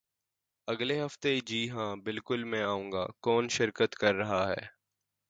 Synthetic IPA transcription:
ɐɡleɦɐft̪ed͡ʒiːɦãːbɪlkʊlmɛ̃ːaːũːŋɡa̰ːkɔːnʃɪɾkət̪kɐɾːɐɦaɦɛ̰ː

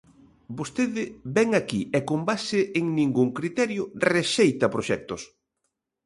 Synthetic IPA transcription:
bost̪eðɪbɛŋakiɛkombasɪʔeŋnĩŋɡuŋkɾit̪ɛɾjʊreʃejt̪ɐpɾoʃɛk̚t̪ʊs

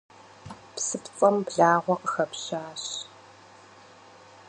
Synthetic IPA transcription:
psɨpt͡sʼɐmbɮaːʁʷɔqʼəxɐpɕaːɕ

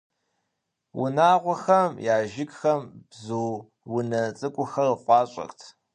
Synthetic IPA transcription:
wʊ̰naːʁʷɔxɐmjaːʒɪkʼxɐmb̥zuː | wʊnɐt͡sʼɨkʷʼʊxɐrəχʷɑːɕʼɐ̰xtʰ

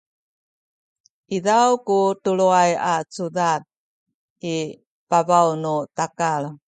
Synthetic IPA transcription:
ʔidawkutuɭuajat͡sudat̚ | i | pavawnutakaɭ

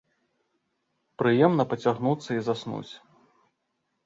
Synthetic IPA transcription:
pɾɨjɛmn̪ɐpɐt͡sʲaɣnut̪sːɐizasnṵt͡sʲ

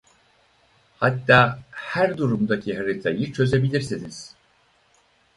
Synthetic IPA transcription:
hat̪ːaːhæɾd̪uɾumd̪acʰiɦaɾɯt̪ʰajɯt͡ʃʰø̞ze̞bilʲiɾsiniz̥

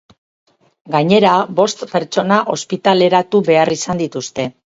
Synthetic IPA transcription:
ɡaɲe̞ɾabo̞st̪pe̞ɾt͡ʃo̞naʔo̞spit̪ale̞ɾat̪uβe̞arisand̪it̪ust̪e̞

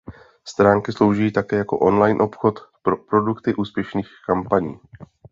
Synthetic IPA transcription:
st̪ɾaːŋkɪslo̞wʒiiːt̪akɛːjako̞̰ʔo̞nlajnʔo̞pxo̞t̪ppɾo̞dukt̪ɪʔuːspjɛʃniːxkampaɲiː

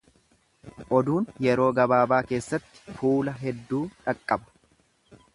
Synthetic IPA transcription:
ʔɔd̪uːnjɛɾo̞ːɡɐbaːbaːke̞ːsːɐt̪ːɪ̥fuːlɐɦɛd̪ːuːᶑɐkʼːɐbɐ̥

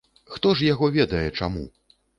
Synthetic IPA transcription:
xt̪ɔʂjaɣɔvʲɛd̪ɐjɛt͡ʂa̰mṵ

